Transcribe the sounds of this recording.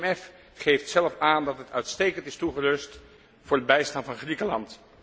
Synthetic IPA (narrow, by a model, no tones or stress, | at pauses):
ɛf | χejftsɛlˠəfaːndɑtətœɥtstejkəntɪstuχəlɵst | vʊːɹdəbɛjstɑnvɑnχrikəlɑnt